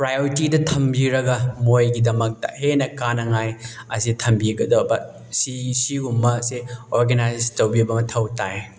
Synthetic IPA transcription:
pɾajoɾitidɐtʰɐmbiɾɐɡɐmojɡidɐmɐk̚tɐ̰henɐkanɐŋaj | ɐsitʰɐmbiɡɐdowbɐ | sisiumːɐseoɾɡenajstɐwbibɐmɐtʰɐwtaj

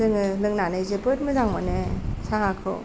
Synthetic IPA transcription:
ɯŋɯlɯŋnanajzepɯt̚mɯzaŋmanesaɦakʰɯ̰

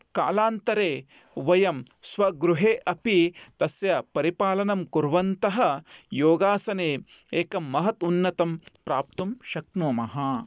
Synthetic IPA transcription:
ka̰ːlaːnt̪ɐɾeː | ʋɐjɐmsʋɐɡɾuɦeːʔɐpit̪ɐsjɐpɐɾipaːlɐnɐmkuɾʋɐnt̪ɐɦɐ̆joːɡaːsɐneːeːkɐmːɐɦɐt̪unːɐt̪ɐmpɾaːp̚t̪ɐmʃɐknoːmɐɦɐ

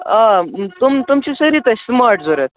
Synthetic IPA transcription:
ãt̪umt̪umt͡ɕisəɾiːt̪əsmaɾʈd͡zoɾət̪̚

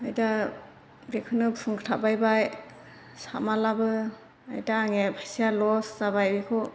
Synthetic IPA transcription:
ajda | ɡekʰɯnɯpʰuŋkʰtʰabajbaj | sa̰malabɯ | a̰jtaːŋepʰajsijalɔszabajbikʰɔ

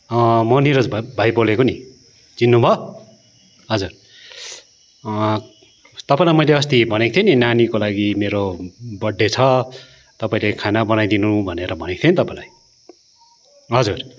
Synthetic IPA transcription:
ʌmʌniɾod͡zbʱajbolekoni | d͡zinːubʱʌ | ɦʌd͡zur | t̪ʌpãĩlajmʌjleʌst̪ibʱʌnekt̪ʰjʌninanikolaɡimeɾobʌɖːet͡sʰʌ | t̪ʌpaĩlekʰanabʌnajd̪inubʱʌneɾʌbʱʌnekt̪ʰjenit̪ʌpãĩlaj | ɦʌd͡zur

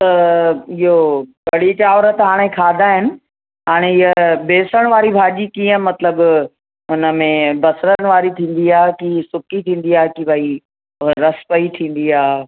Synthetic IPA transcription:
t̪ɐɪɦokɐɽit͡ɕaːʋɾət̪ɦaːɽ̃ekʰaːd̪ʱaɦɪnɪ̆ | ɦaːɽ̃eɪɦəbeːsəɽ̃ʋaːɾibʱaːd͡ʑikiːə̃mɐt̪ləb | ʊnəmẽbɐsɾənɪ̆ʋaːɾit̪ʰĩːn̆d̪iaːkisʊkit̪ʰĩːn̆d̪iaːɦekibɐi | ɾɐspɐit̪ʰĩːn̆d̪iaː

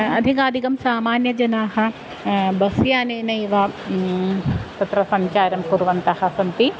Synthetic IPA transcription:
ɐd̪ʱikaːd̪ʱikɐmsaːmaːnjɐd͡ʒɐnaːɦɐ̆ | bɐsjaːnenɐjʋa | t̪ɐt̪ɾɐsɐɲt͡ʃaːɾɐmkuɾʋɐnt̪ahɐsɐnt̪i

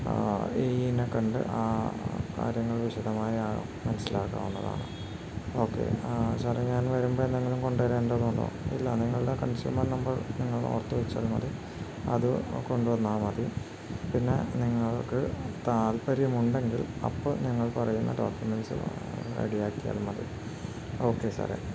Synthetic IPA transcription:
einekɐɳɖɨ̰ʔaːka̰ːɾjɐŋːɐɭʋiɕɐd̪ɐmaːji | mɐnɐsːilaːkːa̰ːmenːɐða̰ːɳɨ̰ | o̞ːkːe̞̰ɕaːreɲaːnʋɐɾumbɐnːeŋːilumko̞ɳɖʋɐɾeːndɐðuɳɖo̰ḭlːɐniŋːɐɭɨɽekɐnsjṵːmɐrnɐmbɐrniŋːɐɭo̰ːrt̪ːuʋɐt͡ɕːa̰ːlmɐði | ɐ̰ðɨko̞ɳɖuʋɐnːaːmɐði | pinːe̞̰niŋːɐɭkɨt̪aːlpɐɾjumuɳɖe̞ŋɡilɐ̰pːoɲiŋːɐɭpɐrɐjunːɐ̰ɖoːkjumensɨ̰ḛɽijaːkːija̰ːlmɐðḭ | o̞ːkːe̞sɐ̰rḛ

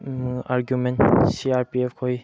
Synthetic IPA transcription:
mʔaɹɡjumɛ̃ntsiaɹpiɛfkʰoj

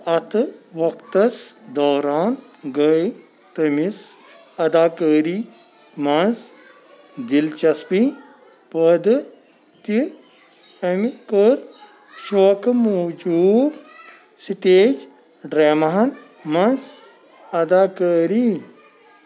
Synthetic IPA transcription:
ɐt̪ʰʋɐkt̪ɐsd̪ɔːɾaːnɡəj | t̪ɐmis | ɐd̪aːkəːɾiː | mɐnz | d̪ilt͡ʃɐspi | pəd̪ɨ | t̪i | ɐmikəɾ | soːkmoːd͡ʒuːb | siʈeːd͡ʒ | ɖɾeːmɐɦɐn | mɐns | ɐd̪aːkəːɾi

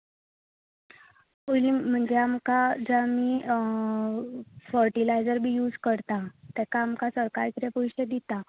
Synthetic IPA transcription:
ulim̤əɳd͡ʑeamkad͡zami | fəɾʈilajd͡zəɾbʱiːjuːd͡zkəɾt̪at̪ɛkaːmkasəɾkaɾkiɾepujɕed̪it̪a

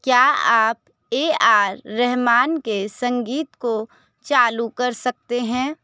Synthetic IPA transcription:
kjaːaːp | eːaːɾːɛɦmaːnkesɐ̃ŋɡiːt̪ko | t͡ʃaːlukɐɾsɐk̚t̪eɦɛ̃ː

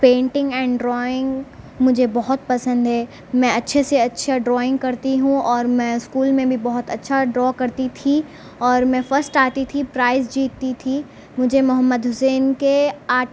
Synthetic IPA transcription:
pẽːɳʈɪ̃ŋɡɛ̃ːɳɖɾɔːɪ̃ŋɡ | mʊd͡ʒʱebɔɦʊt̪̚pɐsə̃nd̪ɦɛː | mɛ̃ɐtːʃʰeseɐtːʃʰaɖɾɔːɪ̃ŋɡ̚kɐɾt̪iɦũɔːɾmɛ̃ːɪskuːlmẽbʱibɔɦʊt̪ɐtːʃʰaɖɾɔːkɐɾt̪it̪ʰi | ɔːɾmɛ̃fəɾsʈaːt̪it̪ʰipɾaːɪzd͡ʒiːt̪ːit̪ʰi | mʊd͡ʒʱemʊɦəmːəd̪ɦʊseːnkeaː

